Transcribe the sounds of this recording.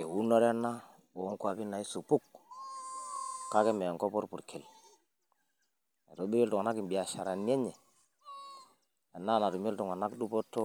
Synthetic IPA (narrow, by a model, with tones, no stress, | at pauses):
e˨wu˦nɔ˦ɾɛ˦nːa˦ | o˨˦ŋkwa˨bi˦na˨i˦su˨pu˦k | ka˦ke˦me˨ŋko˦pɔ˦ɾpu˨ɾkʰe˨l | e˨to˦bi˦ke˦ltu˨ŋa˨na˦ki˨mbi˨a˨ʃa˨ɾa˨n˦e˦ɲɛ˨ | a˨nːa˦˨na˨tu˨mi˦ltu˨ŋa˨na˦kdu˦po˦tːo˦